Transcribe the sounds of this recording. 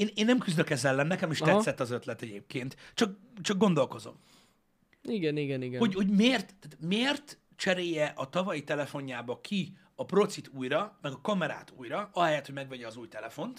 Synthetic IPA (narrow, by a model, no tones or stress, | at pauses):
eːneːnːɛmkyzd̪økɛzɛlːɛnːɛkɛmeːʃtɛt̪sːɛt̪ːɒzø̞t̪lɛt̪ɛɟeːp̚keːnt̪t͡ʃɒk̚ | t͡ʃɒɡ̚ɡo̞nd̪o̞lko̞zo̞̰m | iɡɛniɡɛniɡɛho̞ɟho̞ɟmeːrt̪t̪at̪meːrt̪ | t͡ʃɛɾeːjɛʔɒt̪ɒvɒjit̪ɛlɛfo̞ɲːaːbɒkʰi | ɒpro̞t̪sit̪uːjɾɒmɛɡɒkɒmɛɾa̰ːt̪uːjɾɒɒɦɛjɛt̪hoɟmɛɡʋɛɟɛɒzuːjt̪ɛlɛfo̞nt̪